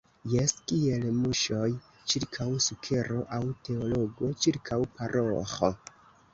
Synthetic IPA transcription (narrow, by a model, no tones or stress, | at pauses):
jeskie̞lmuʃo̞j | t͡ʃiɾkʰawsukʰe̞ɾo̞ʔawte̞olo̞ɡo̞t͡ʃiɾkʰawpaɾʔoxo̰